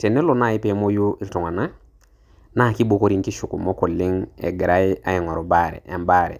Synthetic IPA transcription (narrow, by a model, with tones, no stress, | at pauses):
te˨nːe˦lo˦˨na˦˨i˦pe˨˦mo˦ju˦i˨ɾtu˨ŋa˨na˦ | na˦˨ki˦bo˨ko˦ɾi˨ŋki˦ʃu˨ku˨mo˦ko˨lːi˦ŋḛ˨ɡi˨ɾa˦ja̰˦i˨ŋɔ˨ɾo˨baɾḛ˨ja̰˨mbaːɾḛ˨